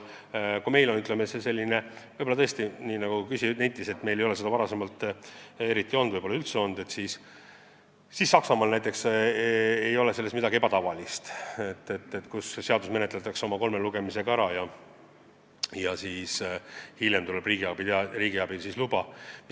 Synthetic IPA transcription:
kume̞jlonyt̪lemesese̞lʲːine̞vɤjbolːɑt̪ɤest̪iniːnɑɡ̥ukysinæjt̪ːˑise̞t̪me̞jlejo̞le̞se̞d̪ɑvɑɾɑse̞mɑlt̪ːe̞ɾit̪ˑːio̞nd̪vɤjboːɑylt̪seo̞nd̪e̞t̪siːs | sisːɑksɑmɑlnæjt̪ːˑe̞ks | ejo̞lese̞lːet̪mid̪ɑɡie̞bɑt̪ɑvɑlist̪et̪ːet̪ːet̪kusse̞ɑd̪usme̞net̪let̪ːˑɑkseo̞mɑko̞lmeluɡe̞mise̞kɑɾɑjɑ | jɑsiːshiljemt̪ulebriːɡ̥iɑbiriːɡiɑb̥ilsislubɑ

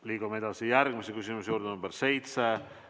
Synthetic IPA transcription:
liːɡ̥umee̞d̪ɑsijæɾɡ̥misekysimusjuːɾd̪enumbeɾse̞jt̪se

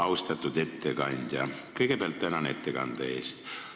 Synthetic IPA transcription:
ɑwst̪ɑt̪ːˑud̪̥et̪ːekɑnʲd̪̥ʲjɑ | kɤjɡ̥epealt̪ːt̪ænɑnet̪ːekɑ̰nd̪̥ɑeːst̪

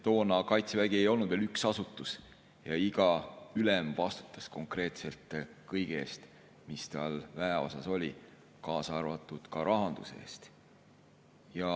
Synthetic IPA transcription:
t̪o̞ːnɑkɑjt̪sevæɡ̥ie̞jo̞lnud̪̥velyksɑsut̪ːˑus | jɑiɡ̥ɑylemvɑst̪u̥t̪ːˑɑsko̞ŋkre̞ːt̪se̞lt̪ˑkɤjɡ̥eeːst̪ | mist̪ɑlvæeo̞̰sɑso̞lʲi | kɑːsɑrvɑt̪ːˑud̪̥kɑɾʔɑɦɑnd̪̥use̞̰ːst̪ | jɑ

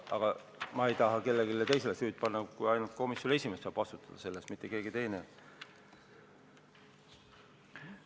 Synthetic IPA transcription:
ʔɑɡ̥ɑ | mɑejt̪ɑɦɑke̞lːeɡilːet̪e̞js̬e̞lesyːd̪̥̚pɑnːɑkujɑjnult̪̚ko̞misjonesʲimest̪sɑːb̥ɑst̪ut̪ːˑɑd̪̥ɑse̞lːesmit̪ːˑeke̞ːɡit̪e̞jne

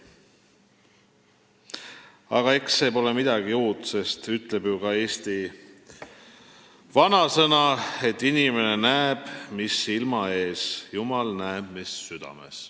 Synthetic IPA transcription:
ɑ̰ɡ̥ɑe̞kse̞po̞le̞mid̪̥ɑɡiuːt̪se̞st̪yt̪ːˑle̞bjukɑe̞ːst̪i | vɑnɑsɤnɑe̞t̪ːinime̞ne̞næeb̥misilmɑe̞ːsjumɑlnæeb̥misːyd̪̥ɑ̰me̞̰s

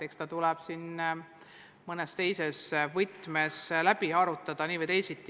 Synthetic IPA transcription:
ekst̪ɑt̪ulɛb̥sin | mɤnest̪e̞jse̞svɨt̪ːˑmeslæb̥iɑɾut̪ːˑɑd̪̥ɑniːvəjt̪e̞jsit̪ˑː

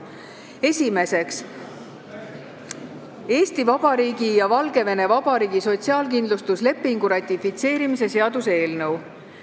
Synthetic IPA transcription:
e̞sʲime̞se̞ks | e̞ːst̪ivɑb̥ɑɾiːɡijɑvɑlɡe̞ve̞ne̞vɑb̥ɑɾiːɡiso̞t̪siɑːlkind̪lust̪usle̞pːiŋɡ̥uɾɑt̪ʲifit̪se̞ːɾimis̬e̞se̞ɑd̪̥use̞ːlnɤw

